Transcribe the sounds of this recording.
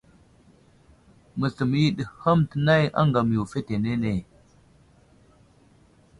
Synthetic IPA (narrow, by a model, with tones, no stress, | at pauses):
mə˨ɬə˨m˨ji˦ɗə˨hə˦mtə˨na˦ja̰˦ŋɡa˨m˨u˨fe˦te˨ne˦ne˨